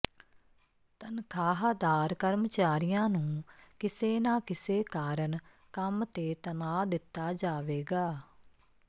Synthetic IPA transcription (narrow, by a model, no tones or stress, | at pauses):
t̪ənkʰaːɦd̪aːɾkəɾmət͡ʃaːɾɪjãːnũːkɪseːnãːkɪseːkaːɾəɳ | kəmt̪eːt̪ənaːd̪ɪt̪ːaːd͡ʒaːʋeːɡaː